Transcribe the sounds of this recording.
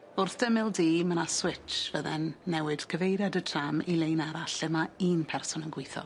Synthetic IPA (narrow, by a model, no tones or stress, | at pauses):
ʊrθd̥əmɪlˠdiːmənaswɪt͡ʃvəðɛnːɛwɨd̥kʰəvejɾjadətʰramilˠejnaɾaɬɪmaiːnpʰɛrsʊnənɡwɪjθɔ̰